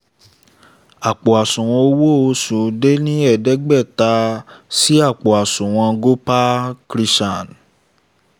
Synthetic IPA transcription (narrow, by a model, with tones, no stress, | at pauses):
a˨k͡pɔ˨a˨sũ˨w̃ɔ̃˧o˦wo˦˨o˧˦su˨de˦nĩ˦ɛ˦˨dɛ˨˦ɡ͡bɛ˦˨ta˧˦si˦a˦˨k͡po˨a˨sũ˨w̃ɔ̃˧˦ɡo˦pa˦kɾi˦ʃa˦˨n